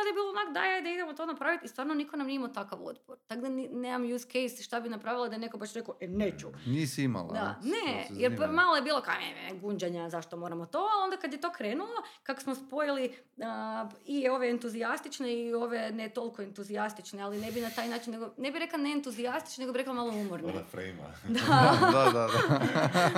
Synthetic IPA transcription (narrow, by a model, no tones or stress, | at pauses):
ond̪aebiːlˠoonakod̪a̰jajd̪aid̪emot̪onapɾaʋit̪ist̪ʋaːɾnonikonamniimat̪akaʋo̰d̪poɾt̪aɡd̪aninemamjuskejsʃt̪abinapɾaʋilˠad̪aenekobaʃɾe̞koʔeneːt͡ʃunisiima̰l̰ˠd̪a̰nejeɾpmalˠojebiːlˠoka̰mḛmeɡuɲd͡ʒaɲazaʃt̪omo̞ɾamot̪o̞alond̪akad̪jet̪o̞ːkɾeːnulˠokako̥smospojili | əio̞ʋe̞ːnt̪uzijast̪it͡ʃne̞io̞ʋe̞net̪o̞lˠikoent̪uzijast̪it͡ʃnealinebinat̪aːjnaːt͡ʃinːeɡonebiɾe̞klˠaneent̪uziast̪i̥t͡ʃnne̞ɡobiɾeklamalˠoumoɾnifɾḛjma̰d̪ad̪a